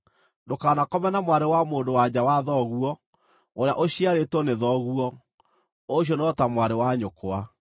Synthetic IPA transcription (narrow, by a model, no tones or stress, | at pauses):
ndokaːnakɔmɛnamwaɾewamoːndowaɲawaðɔɣuɔ | oɾeaʔoɕiaɾetwɔneðɔɣuɔ | oɕ̬jɔnɔtamwaɾewaɲokoa